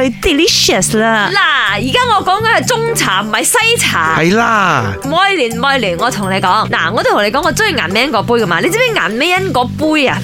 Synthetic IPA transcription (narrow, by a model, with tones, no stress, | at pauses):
ɵ˧t̪i˨li˥ʃə˨˩slaː˧laː˨˩jiː˨˩kaː˥ŋɔː˨˧kɔː˨˥ŋkɐ˨˦nhɐ˨jt͡sʊ˥ŋt͡sʰaː˨˩m̩˨˩hɐ˨jsɐ˥jt͡sʰa̰ː˨˩hɐ˨jlaː˧ | mɔː˨˧jlyː˨˩nmɔː˨˧jlyː˨˩nŋɔː˨˧t̪ʰʊ˨˩ŋle˨˧jkɔː˨˥ŋla̰ː˨˩ŋɔː˨˧ʊ˧˩t̪ʰʊ˨˩ŋne˨˧kɔː˨˥ŋːɔː˨˧t͡sʊ˥i˨˩ŋa̰ː˨˩nme˥jɐ˥nkɔː˧˥puː˥jkɐ˧maː˧le˨˧jt͡si˧˥me˨˥ŋa̰ː˨˩nme˨˥jɐ˥nkɔː˨˥puː˥jɐ˧˨